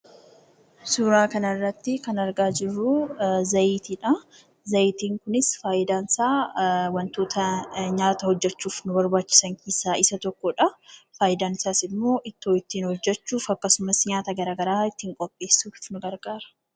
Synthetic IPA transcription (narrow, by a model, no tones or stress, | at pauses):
sʊɾaːkɐnɐɪrːɐt̪ːɪkɐnɐɾɡaːd͡ʒɪrːʊzɐʔiːt̪iᶑɐ | zɐɪt̪iːŋkʊnɪsfaːʔɪd̪aːnsaːwɐnt̪o̞ːt̪ʰɐɲaːt̪ɐhɔd͡ʒːɛt͡ʃːuːfnʊbɐɾbaːt͡ʃːɪ̥sɐŋkisaːʔɪsɐt̪ɔkːɔᶑɐfaːjɪd̪aːnɪsaːsɪmːo̞ːʔɪt̪ːoːɪt̪ːiːnhɔd͡ʒːɛt͡ʃːuːfɐkːɐsʊmɐsɲaːt̪ɐɡɐɾaːɡɐɾaːɪt̪ːiːŋkʼɔpʼːe̞ːsːuːffnʊɡɐɾɡaːɾɐ̥